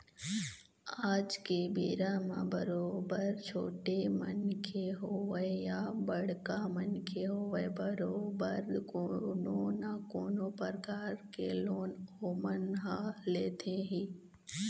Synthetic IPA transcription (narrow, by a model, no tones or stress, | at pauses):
aːd͡ʒkebeːɾamã̰bɐɾoːbəɾt͡ʃʰoːʈemɐnkʰeɦoːʋəejabɐɽ̤kamənkʰeɦoːʋəebɐɾoːbəɾkoːnonakoːnopəɾkaːɾkeloːnoːmənɦaleːt̪ʰẽɦiː